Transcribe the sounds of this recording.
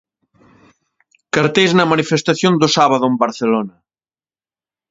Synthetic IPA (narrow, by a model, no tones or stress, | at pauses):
kaɾt̪ejznɐmanifest̪aθjond̪ʊsaβaðʊembɐɾθelonɐ